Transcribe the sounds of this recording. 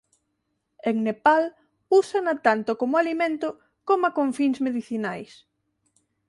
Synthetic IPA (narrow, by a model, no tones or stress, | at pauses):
eŋnepal | usanat̪ant̪okomʊalimẽnt̪ʊ | komakõɱfiŋzmeðiθinajs